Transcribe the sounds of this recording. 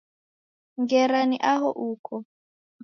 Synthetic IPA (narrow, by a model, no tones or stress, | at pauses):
ŋɡɛɾaniʔaɦɔʔukʰɔ